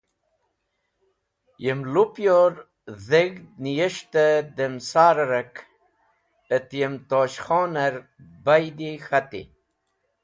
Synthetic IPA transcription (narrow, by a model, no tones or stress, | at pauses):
jəmlupjoɾ | zeɡnijəʂt̪əd̪əmsaːɾɾək | ət̪jəmt̪oːɕχoːnəɾ | bajd̪ixat̪ḭ